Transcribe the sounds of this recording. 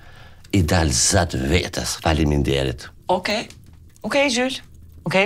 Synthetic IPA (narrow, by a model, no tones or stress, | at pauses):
id̪alzat̪vet̪ʰasfalimind̪ɛɾit̪ | oke | okejʒylʲoke